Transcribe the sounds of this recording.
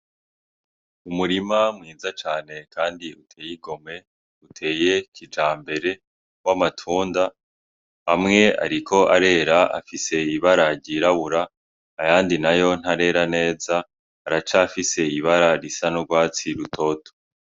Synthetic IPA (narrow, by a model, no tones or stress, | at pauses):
umuɾimamŋiːzat͡ʃaːne̞kaːndiutʰe̞ːjiɡo̞me̞ | utʰe̞ːje̞kid͡ʒaːmbe̞ɾe̞ | wamatʰuːnda | amŋe̞a̰ɾikʰo̞ʔaɾe̞ːɾaa̰fise̞iβaɾaɟiɾaβuɾaː | jaːndinajo̞n̥haɾe̞ːɾane̞ːzaː | ɾat͡ʃafise̞iβaɾaɾisanoɡwaːt͡siɾutʰo̞ːto̥